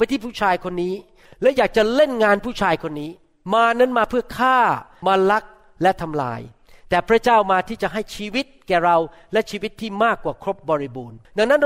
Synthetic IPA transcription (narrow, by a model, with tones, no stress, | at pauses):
pa˧jt̪ʰiː˥˩pʰuː˥˩t͡ɕʰaː˧jkʰo˧nːiː˦˥ | lɛ˦˥wjaː˨˩k̚t͡ɕa˨˩le˥˩nŋaː˧npʰuː˥˩t͡ɕʰaː˧jkʰo˧nːiː˦˥ | maː˧na˦˥nmaː˧pʰɯ˥˩ɐkʰaː˥˩maː˧la˦˥k̚ | lɛ˦˥t̪ʰa˧mla̰ː˧j | t̪ɛː˨˩pʰɾa˦˥t͡ɕaː˥˩wmaː˧t̪ʰiː˥˩t͡ɕa˨˩ɦa˥˩jt͡ɕʰiː˧wi˦˥t̪̚kɛː˨˩ɾa˧wlɛ˦˥t͡ɕʰiː˧wi˦˥t̪ʰːiː˥˩maː˥˩kːwaː˨˩kʰɾo˦˥p̚bɔː˧ɾi˦buː˧nda˨˧ŋna˦˥n